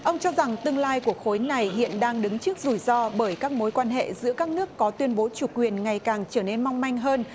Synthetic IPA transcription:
ʔə˧wŋ͡mt͡ɕɔ˧za˨˩ŋt̪ɨ˧əŋlaː˧jku˧˩əkxo˨˦jna˨˩jɦḭ˧˨ənɗaː˧ŋɗɨ˨˦ŋt͡ɕɨ˦˥ək̚zu˧˩jzɔ˧ɓəː˧˩jkaː˦˥k̚mo˨˦jkwaː˧nɦḛ˧˨zɨ̰˧˥əkaː˦˥k̚nɨ˦˥əkːɔ˨˦t̪wi˧ənɓo˨˦t͡ɕu˧˩kwi˨˩ənŋa˨˩jkaː˨˩ŋt͡ɕəː˧˩ne˧nma˧wŋ͡mma˧jŋ̟ɦəː˧n

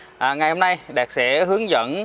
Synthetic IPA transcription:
ʔaː˨˩ŋa˨˩jho˧mna˧jɗɛː˨˩k̚sɛ̰˧˥ɦɨ˨˦əŋzə̰˧˥n

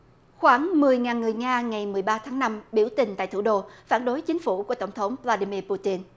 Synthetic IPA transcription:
xwaː˧˩ŋmɨ˨˩əjŋaː˨˩nŋɨ˨˩əjŋaː˧ŋa˨˩jmɨ˨˩əjɓaː˧t̪ʰaː˨˦ŋna˧mɓi˧˩əwt̪ï˨˩ŋ̟t̪a̰ː˧˨jt̪ʰṵ˧˩ɗo˧faː˧˩nɗo˨˦jt͡ɕï˨˦ŋ̟fu˧˩ku˧˩ət̪ə˧˩wŋ͡mt̪ʰə˨˦wŋ͡mvlaː˧ɗi˧mi˧pu˧t̪i˧n

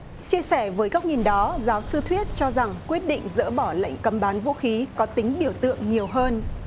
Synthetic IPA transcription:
t͡ɕi˧əsɛ˧˩vəː˨˦jka˦˥w̚ŋi˨˩nɗɔ˨˦zaː˨˦wsɨ˧t̪ʰwi˦˥ət̚t͡ɕɔ˧za˨˩ŋkwi˦˥ət̚ɗḭ̈˧˨ŋ̟zə̰ː˧˥ɓɔ˧˩la̰˧˨jŋ̟kə˨˦mɓaː˨˦nvṵ˧˥xi˨˦kɔ˨˦t̪ï˨˦ŋ̟ɓi˧˩əwt̪ɨ̰˧˨əŋɲi˨˩əwɦəː˧n

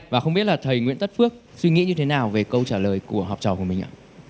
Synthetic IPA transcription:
vaː˨˩xə˧wŋ͡mɓi˦˥t̚laː˨˩t̪ʰə˨˩jŋwḭ˧˥nt̪ə˦˥t̚fɨ˦˥ək̚ | swi˧ŋḭ˧˥ɲɨ˧t̪ʰe˨˦naː˨˩wve˨˩kə˧wt͡ɕaː˧˩ləː˨˩jku˧˩əɦɔː˨˩k͡p̚t͡ɕɔ˨˩wku˧˩əmï˨˩ŋ̟a̰ː˧˨

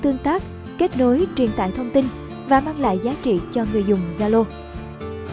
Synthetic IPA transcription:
t̪ɨ˧əŋt̪aː˦˥k̚ | ke˦˥t̚no˨˦jt͡ɕi˨˩ənt̪a̰ː˧˨jt̪ʰə˧wŋ͡mt̪i˧n | vaː˨˩maː˧ŋla̰ː˧˨jzaː˨˦t͡ɕḭ˧˨t͡ɕɔ˧ŋɨ˨˩əjzʊ˨˩ŋ͡mzaː˧lo˧

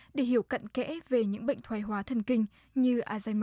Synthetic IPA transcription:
ɗe˧˩ɦi˧˩əwka̰˧˨nkɛ̰˧˥ve˨˩ɲɨ̰˧˥ŋɓə̰˧˨jŋ̟t̪ʰwaː˨˩˦jɦwaː˨˦t̪ʰə˧˩nkï˧ŋ̟ | ɲɨ˧ʔaː˧zaː˧jm˧

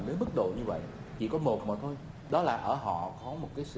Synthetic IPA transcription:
nə˨˦mɨ˦˥t̚ɗo̰˧˨ɲɨ˧və̰˧˨j | t͡ɕḭ˧˨kɔ˨˦mo˨˩t̚maː˨˩t̪ʰo˧j | ɗɔ˨˦laː˨˩ʔəː˧˩ɦɔ̰˧˨kɔ˨˦mo˨˩t̚kaː˨˦jsɨ˧

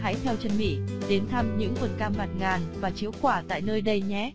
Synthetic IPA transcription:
ɦa̰ː˧˥jt̪ʰɛ˧wt͡ɕə˧nmḭ˧˥ɗe˨˦nt̪ʰa˧mɲɨ̰˧˥ŋvə˨˩t̚kaː˧mma˨˩t̚ŋaː˨˩nvaː˨˩t͡ɕi˨˦əwkwaː˧˩t̪a̰ː˧˨jnəː˧jɗə˧jɲɛ˨˦

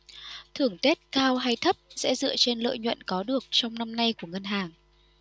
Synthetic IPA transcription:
t̪ʰɨ˨˩əŋt̪e˦˥t̚kaː˧wɦa˧jt̪ʰə˦˥p̚sɛ̰˧˥zɨ̰˧˨ət͡ɕe˧nlə̰ː˧˨jɲwə̰˧˨nkɔ˨˦ɗɨ˨˩ək̚t͡ɕɔ˧wŋ͡mna˧mna˧jku˧˩əŋə˧nɦaː˨˩ŋ

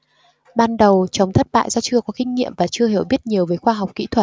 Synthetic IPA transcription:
ɓaː˧nɗə˨˩wt͡ɕə˨˦wŋ͡mt̪ʰə˦˥t̚ɓa̰ː˧˨jzɔ˧t͡ɕɨ˧əkɔ˨˦kï˧ŋ̟ŋḭ˧˨əmvaː˨˩t͡ɕɨ˧əɦi˨˩əwɓi˦˥ət̚ɲi˨˩əwveː˨˦jxwaː˧ɦa˨˩wk͡p̚kḭ˧˥t̪ʰwə˨˩t̚

